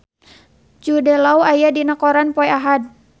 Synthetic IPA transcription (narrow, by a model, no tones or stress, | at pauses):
d͡ʒudɛlauajadinakɔɾanpɔɛaɦad̪̚